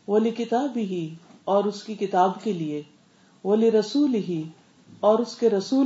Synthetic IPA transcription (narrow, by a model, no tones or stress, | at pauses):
ʋɐlɪkɪt̪aːbɪɦiɔːɾʊskikɪt̪aːbkelie | ʋɐlɪɾɐsuːlɪɦi | ɔːɾʊskeɾɐsuː